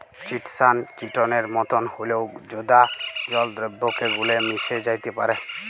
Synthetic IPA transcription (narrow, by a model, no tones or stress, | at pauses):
t͡ʃiʈsant͡ʃiʈɔneɾmɔt̪ɔnholewd͡ʒod̪ad͡ʒɔld̪ɾebːokeɡulemised͡ʒajt̪epa̰ɾe